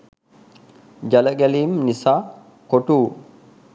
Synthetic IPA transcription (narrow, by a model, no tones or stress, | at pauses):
d͡ʒɐlɐɡɛliːmnɪsaː | kɔt̪uː